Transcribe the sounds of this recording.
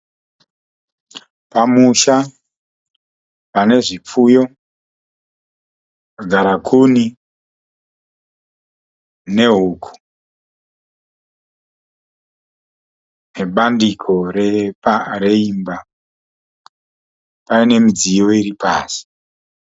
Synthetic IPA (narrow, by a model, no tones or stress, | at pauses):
pamuʃa | pane̞ʐip͡fujo̞ | aɡʱaɾakʰuni | ne̞ɦuːkʰu̥ | ne̞ɓandikʰo̞reare̞imba | paine̞mid͡zijo̞iɾipa̰ːsi̥